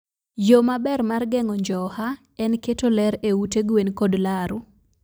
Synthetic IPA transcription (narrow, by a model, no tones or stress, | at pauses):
jomabɛrmarɡɛŋɔɲd͡ʒɔha | ɛnketolɛɾeuteɡwenkodlaɾu